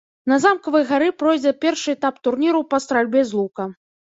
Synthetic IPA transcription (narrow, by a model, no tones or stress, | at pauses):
nɐzamkɐvɐjɣaɾɨpɾɔjd͡zʲɛpʲɛrʂɨɛt̪apt̪urnʲiɾɐpɐst̪ɾalʲbʲɛzlˠukɐ